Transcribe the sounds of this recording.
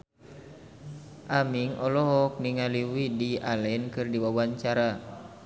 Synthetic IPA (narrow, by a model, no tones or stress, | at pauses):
ʔamiŋʔɔlɔɦɔk̚niŋaliwidialɛnkɨrdiwawaɲt͡ʃaɾa